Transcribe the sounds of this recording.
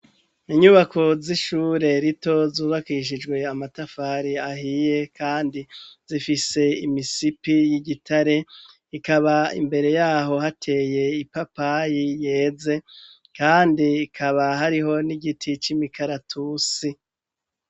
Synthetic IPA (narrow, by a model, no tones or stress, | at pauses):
iɲuβakʰo̞ziʃuːɾe̞ɾito̞zuːβakiʃ̬id͡ʒɡwe̞amatafaɾiahije̞kʰaːndiz̥ifise̞imisipijiɟitʰaɾe̞ | ikaβaḭmbe̞ɾe̞jaːɦo̞hatʰe̞ːje̞ipapajije̞ːze̞ | kaːndiːkʰaβaɦaɾiɦo̞niɡitʰit͡ʃimikʰaɾatʰusi